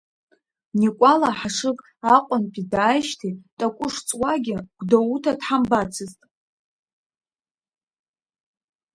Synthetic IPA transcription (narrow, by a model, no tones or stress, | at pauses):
nikʷʼalaħaʂɨkʼ | aqʷʼanpʼidaːjʃtʰitʼakʷʼʊʂt͡sʼwaɡʲɪɡ̥ʷdoutʰadħambat͡sʰɨztʼ